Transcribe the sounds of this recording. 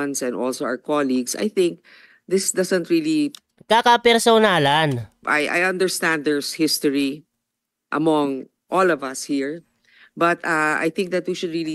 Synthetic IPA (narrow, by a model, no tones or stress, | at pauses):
nsɛ̃nd̪ɔlsoa̰wəkɔliɡsa̰jθɪ̃ŋk̚ | d̪ɪsd̪ɐsɛ̃nt̪ɹili | kakɐpɛɾsonaːlanʔajʔa̰jɐ̃nd̪ɛəɹst̪æ̃nd̪̚d̪ɛɹshɪst̪ɔɹi | ʔɐ̰mɔ̃ŋ | ʔɔlɔvɐshiɹ | bɐt̪aa̰jθɪ̃ŋk̚d̪ɐt̪wiʃʊd̪ɹili